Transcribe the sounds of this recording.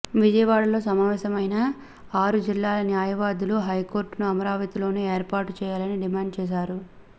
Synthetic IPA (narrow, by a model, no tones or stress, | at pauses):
ʋid͡ʒɐjɐʋaːɭɐlo̞ːsɐmaːʋɛːsɐmɐjna | aːɾud͡ʒilːaːlɐnjaːjɐʋaːd̪uluɦɐjko̞ːɾʈnuɐmɐɾaːʋɐt̪ilo̞ːneːeːɾpaːɾʈut͡ʃɛːjaːlɐniɖimaːɳɖt͡ʃɛːʃ̬aːɾu